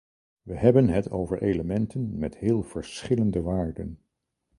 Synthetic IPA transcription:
ʋəɦɛbənɦətowvəɹʔejləmɛntʰənmɛtɦɪːlˠv̥əɹsχɪləndəʋaːɹdə̰n

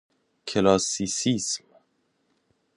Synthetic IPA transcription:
kʰelɒːsisism

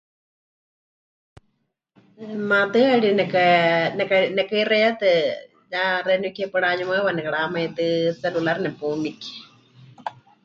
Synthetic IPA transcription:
mãt̪ɨaɺinɛkanɛkanɛkairɛjat̪ɨ | ɲaɾɛnukɛpɨɺaɲumaβanɛkaɽamait̪ɨsɛlulaɾnɛpumiki̥

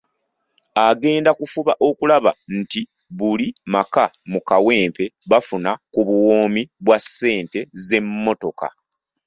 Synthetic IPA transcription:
aɡe̞ːndakufuβaʔo̞kulaβa̰n̩ti | βulimakamukawe̞ːmpe̞βafunakuβuwoːmiβwasːe̞ːnte̞ze̞mːo̞to̞ka̰

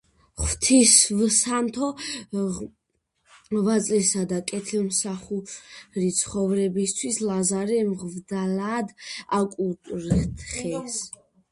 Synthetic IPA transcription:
χwt̪ʰisvsant̪ʰɔ | vat̪sʼlɛsad̪akʼɛt̪ʰlɛmsaχuɾit̪sʰχɔvɾɛbist̪ʰwislazaɾɛmʁvd̪alaːd̪akʼut̪ʼɾt̪ʰχɛs

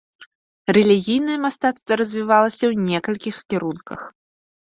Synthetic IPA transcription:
rɛlʲiɣʲijn̪ɐjɛmast̪at̪st̪vɐɾɐzʲvʲivalˠɐsʲɐwnʲɛkɐlʲkʲixkʲiɾunkɐ̰x

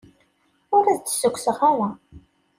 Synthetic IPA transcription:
ʊɾæðt͡sːsʊkʷːsəχawæ

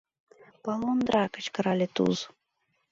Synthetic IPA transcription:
palˠond̪ɾakə̥t͡ɕkəɾalʲet̪ṵz

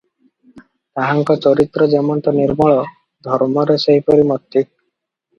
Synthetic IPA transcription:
t̪aɦaŋkɔt͡ʃɔɾit̪ɾɔd͡ʒemɔnt̪ɔniɾmɔɭɔ | d̪ʱɔɾmɔɾeseɦipɔɾimɔt̪ːi

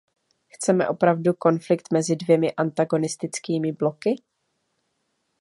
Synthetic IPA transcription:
xt͡sɛmɛ̰ʔo̞pɾavduko̞nflɪk̚t̪mɛzɪdvjɛmɪʔant̪aɡo̞nɪst̪ɪt͡skiːmɪblo̞kɪ

